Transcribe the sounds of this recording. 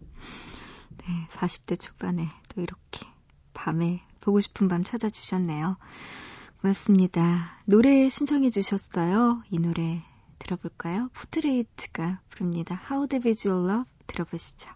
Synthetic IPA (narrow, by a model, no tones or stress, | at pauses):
ne̞sʰaɕʰi̥p̚t͈e̞t͡ɕʰu̥bane̞t͈oiɾʌkʰe̥ | pame̞ | poɡoɕʰi̥pʰɯmbamt͡ɕʰad͡ʑad͡ʑu̥ɕʰʌnːe̞jo | kɯmas͈ɯmɲidanoɾe̞ɕʰint͡ɕʰʌŋid͡ʑuɕʰjʌs͈ʌjoinoɾe̞ | tɯɾʌboɭk͈ajopʰotʰɯɾeitʰɯ̥ɡ̥apɯɾɯmɲidahaodebeid͡ʑioɭːʌbtɯɾʌboɕʰi̥d͡ʑo̥